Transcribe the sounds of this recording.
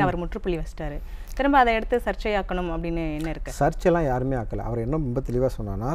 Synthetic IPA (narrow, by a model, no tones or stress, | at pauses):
ɐʋɐɾmʊʈrɯpʊɭːiʋɐsʈaːɾɯt̪ɪɾɯmbaːɐðɐɛɽɯt̪ːɯsɐɾt͡ʃːɐjaːkːɐɳɯmɐpːɐɽɪnːɯɛnːɐɪɾɯkːɯsɐɾt͡ʃɛlːãːjaːɾɯmeːaːkːɐlɐ̰ɐ̰ʋɐɾɛnːɐɾʊmbɐt̪ɛɭɪʋaːsɔnːa̰ːnaː